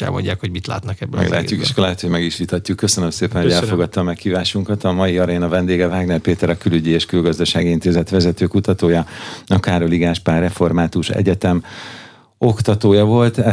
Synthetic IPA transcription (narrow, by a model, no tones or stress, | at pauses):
ɛ̰lmo̰ɲɟaːkhoɟmit̪la̰ːt̪nɒkɛbːɛ̰la̰ːcːukeʃkolɛɦɛt̪ho̞ɟmɛɡiʃliːt̪ɒcːukːø̞sønømseːpɛnhoɟɛlfo̞ɡɒt̪ːɒmːɛkhiːvaːʃuŋkɒt̪ɒmɒjiɒɾɛjnɒvɛnd̪eːɡɛvaːɡnɛlpeːt̪ɛɾɒkylyɟieːʃkylɡɒzd̪ɒʃaːɡiint̪eːzɛt̪ʋɛzɛt̪øːkut̪ɒt̪oːjɒɒkːaːɾoliɡaːʃpaːrɛfo̞rmaːt̪uʃɛ̰ɟɛt̪ɛm | o̞kt̪ɒt̪oːjɒvo̞lt̪ɛ